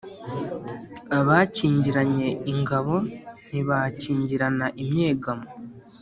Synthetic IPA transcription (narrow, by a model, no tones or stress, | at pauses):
aβaːciːɲɟiɾaɲe̞iŋɡaβo̞niβaciːɲɟiɾanaʔimɲe̞ːɡamo